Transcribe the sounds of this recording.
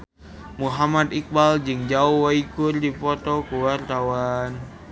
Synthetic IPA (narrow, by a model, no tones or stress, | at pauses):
muɦamat̪ik̚bald͡ʒɨŋd͡ʒauhwaikurdifɔt̪ɔkuwart̪awan